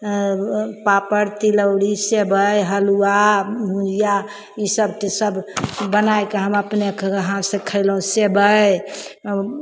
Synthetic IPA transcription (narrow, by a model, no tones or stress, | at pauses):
papəɾt̪iləwɽisebəjɦəluamʱũd͡ʒija | isəb̚ʈisəbbənajkeɦəməpnekːɦãsẽkʰəɪlɦũsebəj